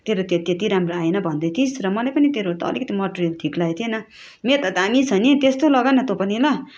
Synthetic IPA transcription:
t̪eɾot̪et̪jet̪iɾamroaenʌbʱʌnd̪ʌjt̪ʰisrʌmʌlajpʌnit̪eɾot̪ʌʌ̰likʌt̪imʌʈorijʌlʈʰiklajt̪ʰienʌ | met̪ʌt̪amit͡sʰʌnet̪est̪olʌɡajnʌt̪opʌnilʌ

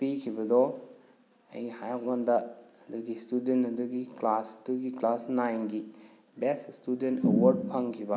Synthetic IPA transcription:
pikʰibɐdɔ | ɐ̰jhajap̚ɡandɐɐduɡistudentɐduɡiklasɐduɡiklasnajnɡi | beststudentɐwɐɾd̚pʰɐŋkʰibɐ

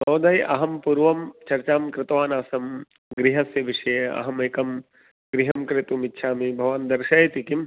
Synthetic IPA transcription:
tɐwd̪ɐjʔɐ̰ɦɐmpuːɾʋɐmt͡ʃɐɾt͡ʃaːmkɾɪt̪ʋaːnaːsɐm | ɡɾiɦɐsjɐʋiʂɐjɐɐ̰ɦɐmeːkɐm | ɡɾiɦɐmkɾɪt̪umitːʃʰaːmibʱɐʋand̪ɐɾʃɐjɐt̪ikim

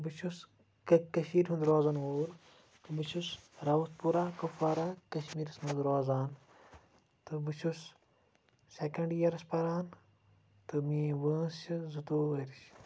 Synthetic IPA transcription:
bɨt͡ʃʰus | kɐkɐʃmiːɾʲɦũnd̪ɾoːzɐnoːɾ | t̪ɨbɨt͡ʃʰusɾɐʋɐspuɾaːkɐfaːɾakɐʃmiːɾɐsmɐnd̪ɾoːzaːn | t̪ɨbɨt͡ʃʰus | sekɐɳɖjɐɾɐspɐɾaːn | t̪ɨmĩːʋəːst͡ʃizut̪oːʋəɾiʃ

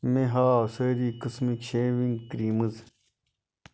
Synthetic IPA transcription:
meɦaːsəːɾiːkəsmikʃeːʋiŋɡkɾiːməz

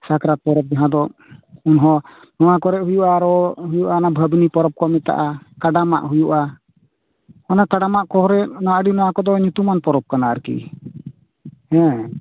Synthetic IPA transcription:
sakɾat̪̚pɔɾɛp̚d͡ʒaɦãd̪ɔ | unɦɔ̃ | nɔwakɔɾɛʔɦujuʔaɾɔɦujuʔanabʱəbnipɔɾɔp̚kɔmɛt̪a̰ʔakaɖama̰ʔɦujuʔa | ɔnakaɖamaʔkɔɾɛʔnaaʔɖinɔwakɔd̪ɔɲut̪umanpɔɾɔp̚kanaːɾkḭ | hɛ̃

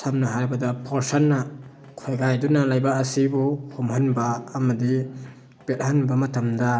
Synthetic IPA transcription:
sʰamnɐɦajbɐdapʰoɾsanːɐ | kʰojɡajdunalajbaːsibuhumhanbaːmɐdi | pet̚hanbamɐtʰɐmda

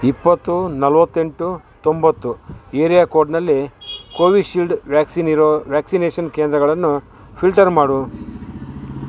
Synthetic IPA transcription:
ipːɐt̪ːunɐlʋɐt̪ːe̞ɳʈu | t̪o̞mbɐt̪ːueːɾijakoːɾɖnɐlːikoːʋiɖʃilɖʋaːksinɾoʋjaːksineːʃɐnkeːnd̪ɾɐɡɐɭɐnːu | pʰilʈɐɾmaːɽu

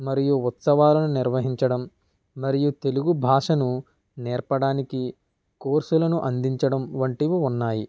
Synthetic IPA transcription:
mɐɾijuut̪sɐʋaːlɐnuniɾʋɐɦiɲt͡ʃɐɽɐmː | ɐɾijut̪e̞luɡubʱaːʂɐnu | nɛːɾpɐɽaːniki | koːɾsulɐnuʔɐnd̪iɲt͡ʃɐɽɐmʋɐɳʈiʋuunːaːji

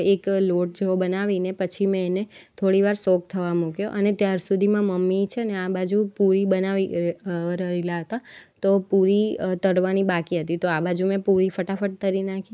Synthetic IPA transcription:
ekloʈ̚d͡ʒeobənaʋinepət͡ʃʰimẽːnet̪ʰoɽiʋaɾsok̚t̪ʰəʋamũkjoʔənet̪jaɾsud̪ʱimãməmːit͡ʃʰeəneabad͡ʒupuɾibənaʋi | ɾəelaɦət̪at̪opuɾit̪əɽʋanibakiɦət̪it̪oabad͡ʒumẽpuɾifəʈafəʈ̚t̪əɾinakʰi

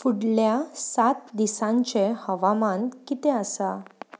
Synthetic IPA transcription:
fuɽljasat̪̚d̪isãɲt͡ɕehəʋamankit̪ɛəsa

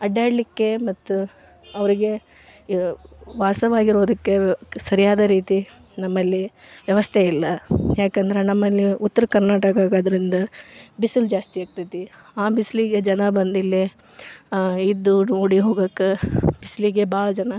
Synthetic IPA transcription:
ɐɖjaːɽlikːe̞mɐt̪ːu | ɐʋɐɾiɡe̞ | ʋaːsɐʋaːɡiɾoːd̪ɐkːe̞sɐɾijaːd̪ɐɾiːt̪i | nɐmːɐlːi | ʋjɐʋɐst̪ʰeilːɐjaːkɐnd̪ɐɾe̞nɐmːɐlːiut̪ːɐɾɐkɐɾnaːʈɐkaːkɡaːd̪ɐɾind̪ɐbisild͡ʒaːst̪iaːɡ̚t̪ɐt̪i | aːbisliɡed͡ʒɐnɐbɐnd̪ilːe | id̪ːunoːɽiɦoːɡɐkːeb̥isliɡebaːɭɐd͡ʒɐnɐ

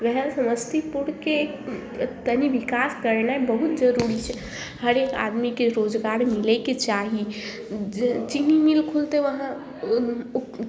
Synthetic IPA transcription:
ɡəɦɛɾsəməst̪ʰipuɽke | t̪əniʋikaskəɾnaebəɦut̪d͡ʒəɾuɾit͡ʃʰɛ | həɾeka̰d̪mikeɾod͡ʒɡaɾmilɛket͡ʃaɦi | t͡ʃininilkʰult̪eʋəɦã

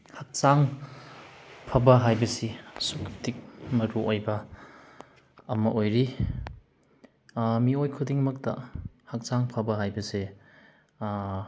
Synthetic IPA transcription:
hak̚saŋ | pʰɐbɐɦajbɐsisukʰp̚tik̚mɐɾuʔojbɐ | ɐmɐʔojɾi | miojkʰudiŋmɐk̚tɐ̰ | hak̚saŋpʰɐbɐɦajbɐse

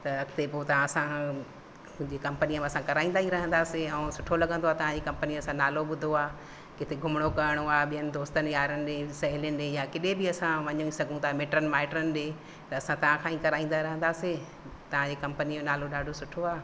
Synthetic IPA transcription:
t̪ɐt̪epoːt̪ɐʋ̤ãɐsã | d͡ʑeːkɐ̃mpəniəmẽɐsãkɐɾaːĩnd̪aːɦiɾɐɦə̃nd̪aːseɐ̃sʊʈʰolɐɡə̃nd̪oaːt̪ɐʋãd͡ʑekɐ̃mpənijɐsãnaːloɓʊd̪ʱoaː | kɪt̪ʰeɡʱʊmɽ̃okɐəɽ̃oaːɓijənɪ̆d̪oːst̪ənɪjaːɾənɪ̆ɗẽːsɐɦɪlɪjənɪ̆ɗẽːjakɪɗebɪɐsãʋɐɲuisɐɡʱũt̪aːmeːʈɾənɪʋaːɪʈɾənɪ̆ɗeː | t̪ɐːsãt̪ɐʋ̤ãkʰãːĩkɐɾaːĩːn̆d̪aɾɐɦə̃nd̪aːse | t̪ɐʋ̤ãd͡ʑeːkɐ̃mpəniõnaːloɗaːɖʱosʊʈʰoaː

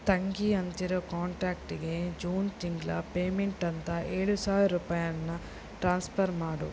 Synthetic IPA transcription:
t̪ɐŋɡiɐnt̪iɾokaːɳʈɾaːk̚ʈiɡe̞d͡ʒuːnt̪iŋɡlɐpeːmeɳʈɐnt̪ɐeːɭusaːʋɐɾuːpaːjɐnːɐ | ʈɾaːnspʰɐɾmaːɽṵ

